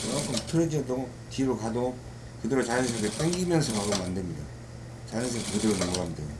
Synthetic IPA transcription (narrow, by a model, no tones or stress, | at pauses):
akʰamtʰɯɾed͡ʑʌdo | tiɾokado | kɯdeɾot͡ɕajʌŋs̬ʰʌkep͈eŋɡimjʌnsʰʌkaɾomandemɲida | t͡ɕajɯnsʰekekɯdeɾonʌmoɡamdejo